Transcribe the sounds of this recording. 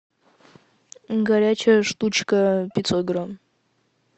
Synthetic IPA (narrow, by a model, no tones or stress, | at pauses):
ɡɐɾʲat͡ɕɐjɐʂt̪ut͡ʃkɐpʲit̪sot̪̚ɡram